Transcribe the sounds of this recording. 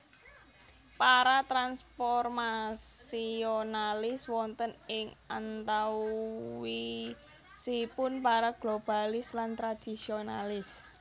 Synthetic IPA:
paɾat̪ɾanspɔrmasionalɪswɔnt̪ənɪŋant̪a | wi | sipʊnpaɾaɡ̥lob̥a̤lɪslant̪ɾad̪̥isionalɪs

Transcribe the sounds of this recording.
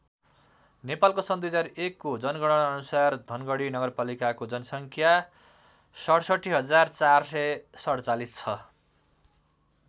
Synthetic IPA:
nepalkosʌnd̪ujɦʌd͡zaɾekːod͡zʌnɡʌɽʌnʌnusard̪ʱʌnɡʌɽinʌɡʌrpalikakod͡zʌnʌsʌŋkʰja | sʌɽsʌʈʰːiɦʌd͡zart͡sarsʌjsʌɽt͡salist͡sʰʌ

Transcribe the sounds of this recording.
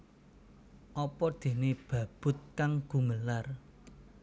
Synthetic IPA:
ʔɔpɔd̪̥e̤neb̥ä̤b̥ʊ̤t̪̚kaŋɡ̥ṳməlar

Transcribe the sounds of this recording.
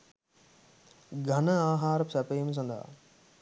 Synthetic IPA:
ɡʱɐnəaːɦaːɾpsɐpejms̬ɐ̃nd̪a̰ː

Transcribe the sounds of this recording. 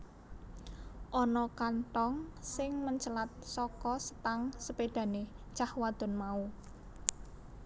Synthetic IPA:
ʔɔnɔkant̪ɔŋsɪŋməɲt͡ʃəlat̪̚sɔkɔsə̥t̪aŋsəpeɖ̪̥ä̤ne̥ | t͡ʃahwad̪̥ɔ̤nmau

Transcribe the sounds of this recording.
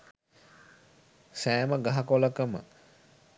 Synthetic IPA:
sæːməɡaɦakoləkəmə̰

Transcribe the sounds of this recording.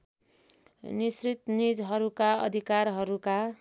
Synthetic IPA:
nisrit̪nid͡zɦʌɾukaʌ̰d̪ʱikarɦʌɾuka

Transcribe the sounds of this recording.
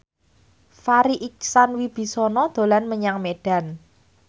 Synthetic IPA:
faɾiʔik̚sanwib̥i̤sɔnɔd̪̥o̤lanməɲaŋmeɖ̥a̤n

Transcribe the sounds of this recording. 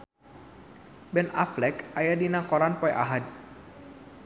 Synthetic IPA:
bɛnaflɛkajadinakɔɾanpɔjʔa̰ɦad̚

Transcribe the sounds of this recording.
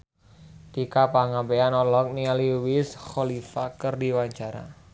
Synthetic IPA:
t̪ikapaŋampeanɔlɔk̚nialiwɪsxɔlifakərdiwaɲt͡ʃaɾa̰

